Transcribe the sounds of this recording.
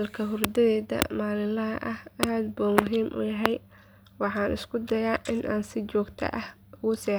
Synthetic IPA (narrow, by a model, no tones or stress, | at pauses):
lkʰɐɦʊrd̪ɐðɛːd̪ɐ̰maːlɪlɐɦɐ̰ʔɐhɐaːd̪buːmʊɦiːmʔʊ̰jɐɦɛj | wɑħɑːnʔɪ̰skʰʊd̪ɐjaːʔɪnʔaːnsɪt͡ʃɔːɡt̪ʰɐ̰ʔɐh | ʊɣʊsɛː